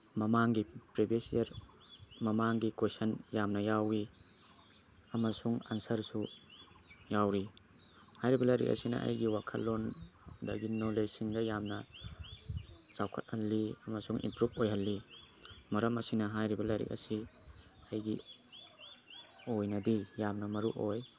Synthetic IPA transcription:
mɐmaŋɡipɾibesijɐɾ | mɐmaŋɡikosɐnjamnɐjawi | ɐmɐsuŋansɐɾsu | jawɾi | hajɾibɐlɐjɾḭk̚ɐ̰sinɐ̰ʔɐ̰jɡiwakʰɐ̰lːondaɡinolejsiŋdɐjamnɐ | t͡ʃawkʰɐt̚hɐlːiɐmɐsuŋʔḭmpɾup̚ojɦɐlːi | mɐɾɐmɐsinɐɦajɾibɐlajɾḭk̚ɐ̰si | ɐjɡi | ojnɐdijamnɐmɐɾuʔoj

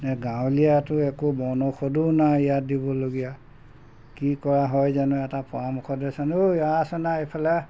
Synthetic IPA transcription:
nɛɡãwlijatʊɛkubɔnɔxodunaijat̚dibɔloɡija | kikɔɹaɦɔjzanuɛtapɔɹamukʰɔdɛsanuasɔnaepʰalɛ

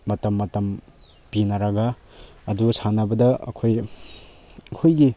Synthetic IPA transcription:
mɐtɐmːɐtɐm | pinɐɾɐɡɐ | ɐdusanɐbɐdɐɐ̰kʰoj | ɐkʰojɡi

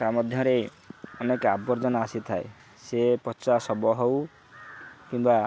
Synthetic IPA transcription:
tamɔd̪ʱjɔɾe | ɔnekabɔɾd͡ʒɔnɔasit̪ʰae | sepɔt͡ʃasɔbɔɦow | kimba

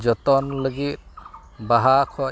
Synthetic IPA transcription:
d͡ʒɔt̪ɔnləɡit̪̚ | baɦakʰɔ

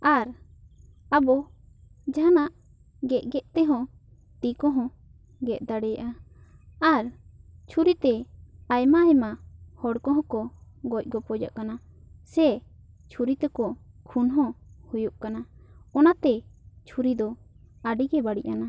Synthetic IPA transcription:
aɾ | abɔ | d͡ʒanaʔ | ɡɛʔɡɛʔt̪ɛɦɔ̃ | t̪ikɔ̃ɦɔ̃ | ɡɛʔ̚d̪aɽɛjaʔa | aɾt͡ʃʰuɾit̪ɛajmaːjmahɔɽkɔ̃ɦɔ̃kɔɡɔc̚ˀɡɔpɔd͡ʒa̰ʔkana | sɛ | t͡ʃʰuɾit̪ɛkɔ | kʰunɦɔ̃hujuʔkanaɔnat̪ɛt͡ʃʰuɾid̪ɔ | aɖiɡɛbaɽiʔana

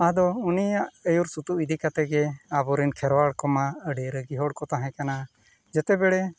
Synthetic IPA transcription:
aɦad̪ɔunijaʔəjuɾsut̪uid̪ikat̪ɛɡɛabɔɾinkʰɛɾwaɽkɔmaəɖɛɾəɡiɦɔɽkɔt̪aɦɛ̃kana | d͡ʒɛt̪ɛbɛɽɛ

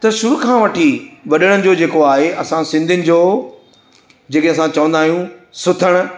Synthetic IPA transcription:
t̪ɐʃʊɾukʰãːʋɐʈʰiʋɐɗəɽ̃ənɪ̆d͡ʑoːd͡ʑeːkoaːɦeʔɐsãsɪ̃nd̪ʱɪnɪ̆d͡ʑoː | d͡ʑeːkɪ̃ɐsãt͡ɕɐʋə̃nd̪aːɦijũsʊt̪ʰəɽ̃ʊ̆

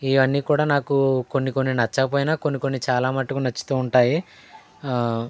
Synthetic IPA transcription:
iʋɐnːiːkuːɽaːnaːkukonːiko̞nːinɐt͡ʃːɐkɐp̬oːjinaːkonːikonːit͡ʃaːlaːmɐʈːɐkunɐt͡ʃːɐ̥t̪uːuɳʈaːji

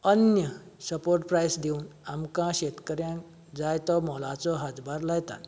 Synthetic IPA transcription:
ənjə | səpoɾʈpɾajsd̪eunamkãɕet̪kəɾjã | d͡zajt̪ɔmɔlat͡sɔɦat̪bʱaɾlajt̪a̰t̪

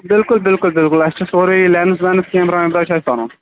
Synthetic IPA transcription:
bɪlkʊlbɪlkʊlbɪlkʊlɐst͡ʃʰɐsoːɾilɛːns̬ʋɛnɐskẽːmɾãːĩbɾɐːt͡ʃʰaʃt̪aːnõ̰ː

